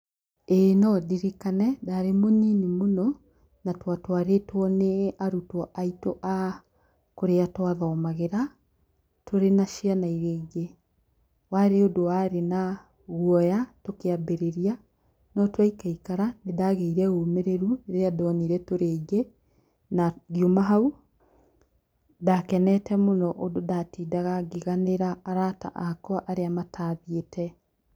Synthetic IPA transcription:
enɔdiɾikanɛdaɾemoninimonɔ | natwatwaɾetwɔneaɾutɔʔaitoʔa | koɾeatwaðɔːmaɣeɾa | toɾenaʃianaiɾeːɡe | waɾeodowaɾena | ɣuɔjatokeabeɾeɾia | nɔtwaikaikaɾanedaɣeiɾɛɣomeɾeɾueɾeadɔːniɾɛtoɾeːɡe | naɣiomaɦau | dakɛnɛtɛmonɔʔododatiːdaɣaɡeɣaneɾaːɾata̰ʔakɔʔaɾeamatʰaːðietʰɛ

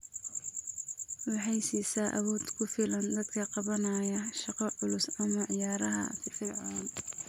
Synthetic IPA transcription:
wɑħɑjsiːsaːʔɐwɔːd̪kʰʊfɪlɐnd̪ɐd̪kʰɐqɑβɐnɐːjɐʃɑqɑʕʊlʊsɐmɐʕɪjaːɾɐɦɐ̰sɪfɪrʕaːn

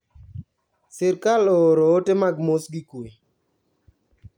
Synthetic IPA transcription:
sɪɾkaloɾoːtemaɡmosɡikue

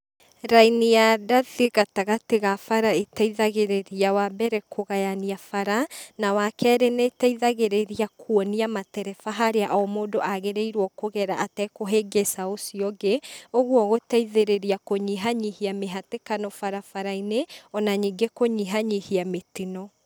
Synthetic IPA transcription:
ɾainijadaðeɣataɣateɣafaɾaetaiðaɣeɾeɾiawabɛɾɛkʰoɣajaniafaɾanawakɛːɾenetaiðaɣeɾeɾiakʰwɔniamatɛɾɛfaɦaɾeaʔɔmoːdoʔaɣeɾeiɾwɔkoɣɛɾaʔatɛkoɦeɡesaosiɔɡeoɣwɔɣotaiðeɾeɾiakoɲiɦaɲihiameɦatekanɔfaɾafaɾaineɔnaɲiŋɡekoɲiɦaɲihiametinɔ

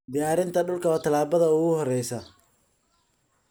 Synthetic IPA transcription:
d̪ɪjaːɾɪnt̪ʰɐɖʊlkʰɐɔːt̪ʰɐlaːbɐðɐʊɣʊɦɔrɛjsɐ

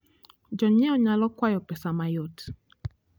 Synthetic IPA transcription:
d͡ʒɔɲɛɔɲalɔkwajɔpɛsamajot

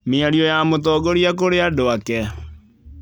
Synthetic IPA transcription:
meaɾiɔjamotɔːɡoɾiak̬oɾeadoakɛ

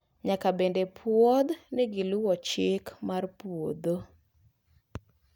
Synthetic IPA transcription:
ɲakabendepʰwɔd̪nɪɡɪlʊwɔt͡ʃɪkmarpwod̪o

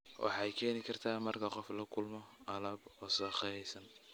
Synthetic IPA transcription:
wʔɑ̰ħɑɛjkʰɛːnɪkʰɐrt̪ʰaːmɐrkʰɐqɔflɐkʰʊlmɔɐlɐbɔːsɐχɑjɛjsɐn

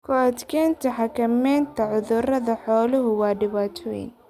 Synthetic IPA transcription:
kʰʊad̪kʰɛːnt̪ʰɐħɑkʰɐmɛːnt̪ʰɐʕʊðʊrɐðɐħɔːlʊɦʊwɑːɖɪβaːt̪ʰɔjɪ̰n

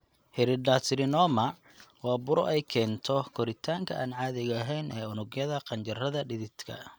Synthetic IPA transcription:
hɪɾɪɖaːsɾɪnɔːmɐ | wɑːbʊɾɔ̰ʔɛjkʰɛːnt̪ʰɔkʰɔɾɪt̪ʰaːŋkʰɐʔaːnʕɑːðɪɣɐːɦɛjnʔɛːʊnʊɡjɐðɐqɑnt͡ʃɐrɐðɐɖɪðɪt̪kʰɐ̰

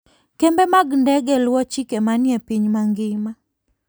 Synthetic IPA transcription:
kɛmbɛmaɡndɛɡɛlwɔt͡ʃikemanjɛpiɲmaŋɡɪma

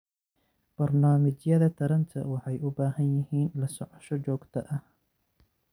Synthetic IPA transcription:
b̥ɐrnaːmɪt͡ʃjɐðɐt̪ʰɐɾɐnt̪ʰɐ̰wɑħɑjʔʊbaːɦɐnjɪɦiːnlɐsɔʕɔʃɔt͡ʃɔːɡt̪ʰɐʔɐ

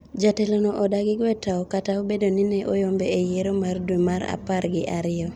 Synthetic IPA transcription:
d͡ʒatelonɔʔɔdaɡɪɡwɛtaɔkataobedonɪneʔojombeejeɾomardwemaɾa̰paɾɡɪʔaɾɪɔ

